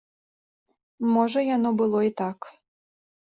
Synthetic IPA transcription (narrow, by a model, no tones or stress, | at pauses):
mɔʐɐjanɔbɨlˠɔit̪ak